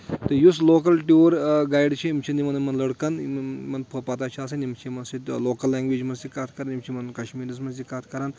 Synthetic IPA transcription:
t̪ɨjus̬loːk̬ɐlʈjuːɾɡajɖt͡ʃʰiimt͡ʃʰinimɐnɐmɐnlɐɽkɐnmmɐnpʰɐpat̪aːt͡ʃʰiaːs̬ɐnimt͡ʃʰimɐnsit̪loːkɐlːaːŋɡʋeːd͡ʒmɐnsikaːt̪ʰkɐɾɐnimt͡ʃʰimɐnkɐʃmiːɾɐsmɐnsikaːt̪ʰkɐɾan

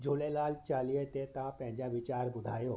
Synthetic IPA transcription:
d͡ʑolelalt͡ɕalijet̪et̪ãpjãɲd͡ʑaʋit͡ɕaɾbud̪ʱajo

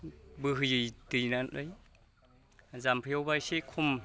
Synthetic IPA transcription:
bɯɦɯjɯtɯjnanʔɯj | zampʰijawbajsekʰum

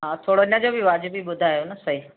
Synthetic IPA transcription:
ɦãːt̪ʰoːɽoɪnə̃d͡ʑobʱiʋaːd͡ʑubʱiɓʊd̪ʱaːjonɐsəɦi

